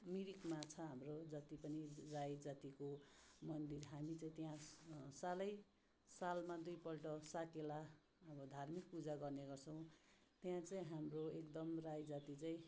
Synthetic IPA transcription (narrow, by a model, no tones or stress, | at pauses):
miɾikmat͡sʰʌɦamrod͡zʌt̪ipʌnirajd͡zat̪ikomʌnd̪irɦamit͡saĩt̪jãsalʌj | salmad̪ujpʌlʈʌsaʈela | ʌbʌd̪ʱarmik̚pud͡zaɡʌrneɡʌrt͡sʰʌw̃t̪jãt͡saĩɦamroekd̪ʌmrajd͡zat̪it͡saĩ